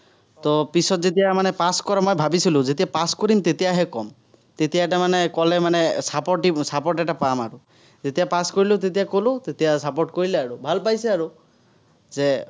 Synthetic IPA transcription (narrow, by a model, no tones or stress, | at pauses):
t̪ɔpisɔt̪d͡ʒet̪iamanepaskɔɾamɔjbʱabisilud͡ʒet̪iapaskɔɾimt̪et̪iaɦekɔm | t̪et̪iaɛʈamanekɔlemanesapɔʈisapɔʈɛʈapamaɾu | d͡ʒet̪iapaskɔɾilut̪̬et̪̬iakolut̪et̪iasapoʈ̚koɾileaɾubʱalpajseaɾu | ze